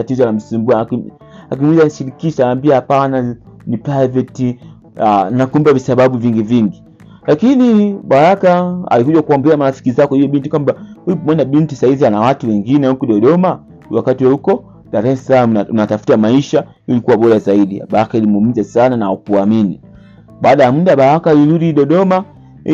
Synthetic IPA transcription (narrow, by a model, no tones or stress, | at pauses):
atizɔlam̩simbuaki | akimwizaniʃiɾikiʃaːmbiahapananipɾaivɛti | anakum̩bavisaɓaɓuviŋɡiviŋɡi | lakiniɓaɾakaa̰likuʄwakuɔmbɛamaɾafi̥kizakɔhijɔɓintikwambahuipmwanaɓintisaizianawatuwɛŋɡinɛm̩kuɗɔɗɔma | wakatiwahukɔ | ɗaɾɛsalamuunatafu̥tamaiʃa | ilikuwaɓɔɾazaiɗia̰ɓaɾakailimuum̩zasananaukuamini | ɓaːɗajam̩daɓaɾakaliluɾiɗɔɗɔma